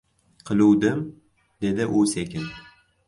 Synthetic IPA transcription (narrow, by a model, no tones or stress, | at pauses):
qʰɨlˠuwd̪ɪm | d̪e̞d̪ɪʔʊsekʲɪn